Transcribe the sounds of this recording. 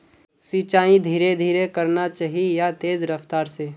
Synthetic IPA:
sit͡ʃaːĩd̪ʱiːɾed̪ʱiːɾekəɾnat͡ʃaːɦiejat̪eːzɾəft̪aːɾse

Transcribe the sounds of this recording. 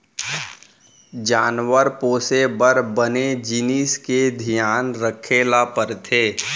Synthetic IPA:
d͡ʒaːnwəɾpoːsebəɾbəned͡ʒiniːsked̪ʱijaːnɾəkʰeːlapəɾt̪ʰeː

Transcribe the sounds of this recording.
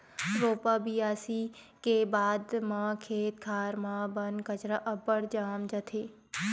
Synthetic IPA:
t̪ɾoːpabijaːsi | kebaːd̪mãkʰeːt̪̚kʰaːɾmãːbɐnkɐt͡ʃɾaʔɐbəɽd͡ʒaːmd͡ʒɐt̪ʰeː

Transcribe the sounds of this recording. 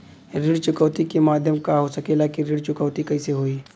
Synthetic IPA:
ɾɪɽt͡ʃʊkəːʋt̪ikemaːd̪ʱjəmkaɦosɐkelaːkiɾiɽt͡ʃʊkəʋt̪ikɐiseɦoːiː

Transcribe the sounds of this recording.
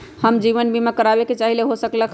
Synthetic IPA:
həmd͡ʒiʋənbimekəɾabeket͡ʃaɦileɦosəkləkʰ

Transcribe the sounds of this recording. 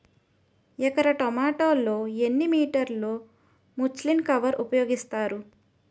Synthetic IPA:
ɛkɐɾɐʈɔmaːʈoːloːenːimiːʈɐɾlo̞ː | mut͡ʃlinkɐʋɐɾupɐjoːɡist̪aːɾu

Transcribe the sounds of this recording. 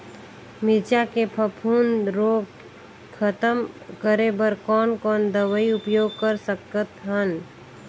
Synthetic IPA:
mɪt͡ʃakepʰəpʰuːnɾoːɡ | kʰət̪əmkəɾebəɾkɔːnkɔːnd̪əʋəiʊpjoːɡ̚kəɾsəkət̪ɦən

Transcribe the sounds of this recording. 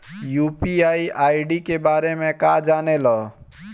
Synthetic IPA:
juːpiaːiʔaːiɖikebaːɾemẽkad͡ʒaːnelɔ

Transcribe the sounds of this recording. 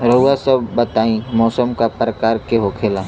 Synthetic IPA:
ɾɐɦʊwasɐbbət̪aːĩmɔːsəmkapɾəkaːɾkeɦoːkʰeːlaː

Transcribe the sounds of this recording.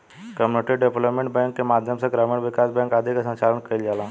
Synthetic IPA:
kəmuneʈiɖepləpmẽɳʈ̚bɛ̃ŋkːemad̪ʱjəmseɡɾameɳʋɪkasbɛ̃ŋkad̪ʱiksə̃nt͡ʃalənkəld͡ʒalã

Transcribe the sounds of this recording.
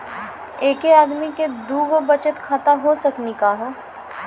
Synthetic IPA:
eːkeaːd̪miked̪uːɡobɐt͡ʃət̪kʰat̪aɦosɐknikaːɦoː

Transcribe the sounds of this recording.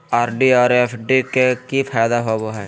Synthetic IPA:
aːɾɖiɔːɾepʰɖikekifʰaːjd̪aɦoboɦɛː

